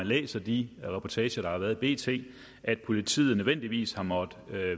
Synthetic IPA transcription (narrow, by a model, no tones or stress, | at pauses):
ænlḛːsɐd̥iʁɛpʰɒt͡sʰɛːɕɐɾ̥ɑ̈hɑ̈ʋæːɐðˠib̥e̝̰ːt͡sʰe̝̰ː | ʔæd̥̚pʰo̝lit͡sʰḭːð̩ˠnøʋen̰d̥iʋḭːshɑ̈mɒ̽d̥